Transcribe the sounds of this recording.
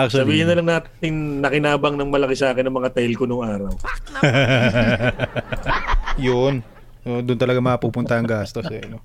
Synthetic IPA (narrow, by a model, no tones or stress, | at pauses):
kssɐbiːhɪnːɐlɐŋnaːt̪ɪnːɐkɪnaːbɐŋnɐŋmɐlɐkɪsɐʔaːkɪnːɐŋmɐŋat̪ɐɪlkonʊŋʔaːɾɐw | jon | jond̪ʊnt̪ɐlɐɡamɐapuːpʊnt̪ɐʔɐŋɡaːst̪osɛɐno